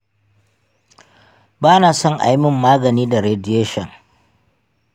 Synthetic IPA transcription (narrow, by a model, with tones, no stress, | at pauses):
baː˦naː˨sɔ˦ŋʔa̰˨jmɪ˦˨mːaː˦ɡɐ˨niː˦da˨ɾe˨dɪ˦eː˦ʃɔ˨ŋ